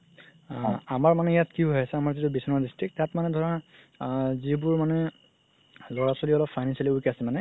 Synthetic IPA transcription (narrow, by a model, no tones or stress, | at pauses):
amaɹmanɛjatkiɦɦɔjasɛamaɹzitubisɔnɔdistɹik̚tːatmanɛdʱɔɹa | zibʊɹmanɛ | lɔɹasoliɔlɔpʰfajnansialiukasɛmanɛ